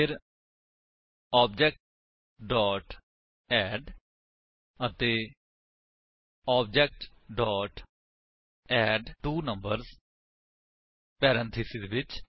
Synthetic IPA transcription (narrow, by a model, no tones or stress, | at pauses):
pʰɪɾ | ɔːb̚d͡ʒɛːk̚ʈ | ɖɔːʈ | ɛːɖ | ət̪eː | ɔːb̚d͡ʒɛːk̚ʈ | ɖɔːʈ | ɛːɖʈuːnəmbəɾz | pɛːɾə̃nt̪ʰisɪzʋɪt͡ʃ